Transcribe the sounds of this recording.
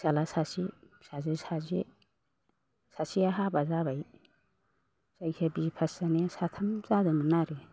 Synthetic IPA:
salasasi | sazisazi | sasiaɦabazabaj | z̥ajsʰebipʰasanesatʰamzadɯmanaɾe

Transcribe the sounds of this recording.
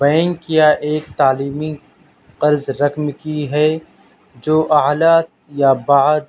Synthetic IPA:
bɐjənkijaʔeːk̚t̪aːliːmi | qɐɾzɾɐkmkiɦɛ | d͡ʒoːʔaɦlaːt̪̚ | jabaːd̪

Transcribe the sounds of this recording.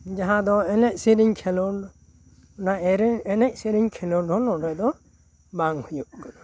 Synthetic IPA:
d͡ʒaɦãd̪ɔɛnɛʔsiɾiɲkʰɛlɔ | naɛɾɛnɛc̚siɾiɲkʰɛlɔɾd̪ɔlɔdɛd̪ɔ | baŋhujuʔɡad̪ɔ

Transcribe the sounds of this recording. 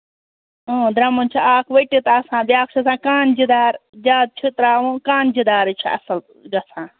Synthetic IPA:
õːd̪ɾɐmɐnt͡ʃʰiaːkʰʋɐʈit̪asãːbjaːk̚t͡ʃʰiɐsãːkaːnd͡ʒid̪aːɾd͡ʒaːd̪̚t͡ʃʰit̪ɾaːʋũkaːnd͡ʒid̪aːɾɨt͡ʃʰiɐ̰sɐl | ɡɐsʰãː

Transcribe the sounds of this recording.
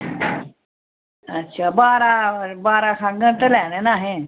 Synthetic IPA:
ɐtːɕʰaːbaːɾabaːɾakʰãɡə̃nt̪əlaːnenaːɦe

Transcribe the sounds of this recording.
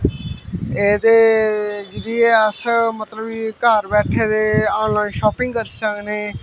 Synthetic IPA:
eːd̪eːd͡ʒəɾiːeəsəmət̪ləbikaːɾbɛːʈʰeːd̪eːɔːnlaːinʃɔːpɪ̃ŋɡkəɾsəkneː

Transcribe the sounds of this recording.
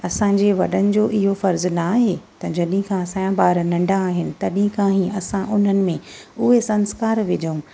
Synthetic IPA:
ɐsãːɲd͡ʑeʋɐɗənɪ̆d͡ʑoːʔɪɦofɐɾznaːɦeːt̪ɐd͡ʑɐɗĩkʰãsãːãbaːɾnɐ̃ɳɖʱãaːɦɪnɪ̆t̪ɐɗĩkʰãɦĩɐsãʔʊn̤ənɪ̆mẽʊɦesɐ̃nskaːɾʋɪd͡ʑəũ

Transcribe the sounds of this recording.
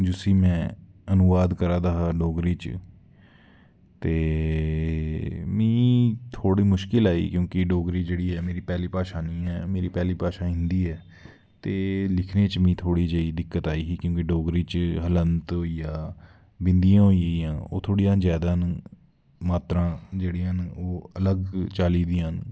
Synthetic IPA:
d͡ʒʊsiːmɛ̃ː | ənʊʋaːd̪kəɾãːd̪aːɦaːɖoːɡɾiːt͡ʃ | t̪eː | mĩːt̪ʰoːɽiːmʊʃkɪlaːḭːkjõːkɪɖoːɡɾiːd͡ʒeːɽiːɛːmeːɾiːpɛːliːpaːʃaːnĩːɛːmeːɾiːpɛːliːpaːʃãːɦɪ̃nd̪iːɛː | t̪eːlɪkʰneːt͡ʃmĩːt̪ʰoːɽiːd͡ʒeːiːd̪ɪkːət̪aːiːɦiːkjõːkɪɖoːɡɾiːt͡ʃɦələnt̪ɦoːiːjãː | bɪnd̪ijãːɦoːijãːijãːo̰ːt̪ʰoːɽijãːd͡ʒɛːd̪ãːn | maːt̪ɾãːd͡ʒeːɽiːãːnoːələɡt͡ʃaːliːd̪iːãːn

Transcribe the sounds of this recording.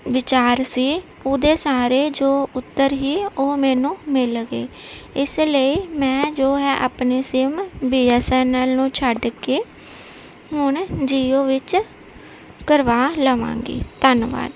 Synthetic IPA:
ʋɪt͡ʃaːɾsiː | oːd̪eːsaːɾeːd͡ʒoːʊt̪ːəɾɦiːoːmɛːnũːmɪlɡeː | ɪsləiːmɛ̃ːd͡ʒoːɦɛːʔapneːsɪmbiːɛːsɛːnaːlnũːt͡ʃʰəɖkeː | ɦʊɳd͡ʒiːoːʋɪt͡ʃ | kəɾʋaːləʋã̰ːŋɡḭːt̪ənʋa̰ːd

